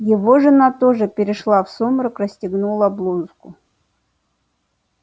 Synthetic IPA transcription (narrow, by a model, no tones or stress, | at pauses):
jɪvoʐɨnat̪oʐɨpʲɪɾʲɪʂlˠafsomɾəkrɐsʲtʲɪɡnulˠəblˠuzkʊ